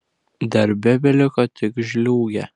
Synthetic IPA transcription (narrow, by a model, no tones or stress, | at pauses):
d̪ɐɾʲbʲɛbʲɛlʲɪkɐt̪ʲɪkʒʲlʲuːɡʲɛ